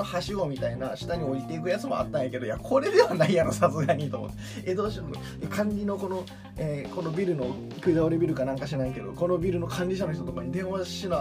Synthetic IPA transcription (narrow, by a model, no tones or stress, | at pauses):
ohaɕiɡo̞mʲit̪ainaɕi̥t̪aɲ̟io̞it̪e̞ikɯ̟jat͡sɨmo̞a̰t̪ːãjake̞d̪ojakʰo̞ɾe̞d̪e̞βanaijanasasɨɡaɲ̟it̪o̞mot̪ːe | ed̪o̞ːɕino | kʰãɲɾʲino̞ko̞no̞ | eko̞no̞bʲiɾɯ̟no̞ | kɯ̟id̪aoɾɯbʲiɾɯ̟kanãŋkaɕinaike̞d̪o̞̰ko̞no̞bʲiɾɯ̟no̞kʰãɲʲɾʲiɕ̬anoçit̪o̞t̪okaɲ̟id̪ẽ̞ɰ̃βḁɕina